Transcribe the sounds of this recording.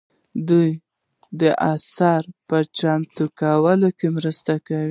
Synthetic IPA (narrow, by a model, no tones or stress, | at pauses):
d̪uj | d̪əʔasaɾpət͡ʃamt̪ukawəlokemɾəst̪akawi